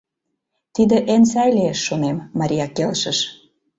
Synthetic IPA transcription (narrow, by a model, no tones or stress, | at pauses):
t̪id̪ĕʔensæjleeʃːonemːɑɾʲijɑkelʃə̆ʃ